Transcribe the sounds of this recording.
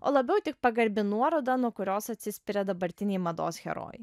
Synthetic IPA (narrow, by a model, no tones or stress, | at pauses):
o̰ːlˠɐbʲɛʊt̪ʲɪk̚pɐɡɐɾʲbʲɪnuɔɾoːd̪ɐnuɔkʊɾʲoːsɐt̪ʲsʲɪsʲpʲɪɾʲɛd̪ɐbɐɾʲt̪ʲɪnʲɛɪmɐd̪o̰ːsxʲɛ̰ɾo̰ːj